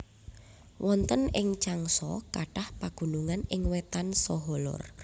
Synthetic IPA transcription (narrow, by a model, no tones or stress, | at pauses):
wʔɔnt̪ənɪŋt͡ʃaŋsɔ̰kaɖ̥ahpaɡ̥ṳnuŋanɪŋwɛt̪ansɔɦɔlɔ̰r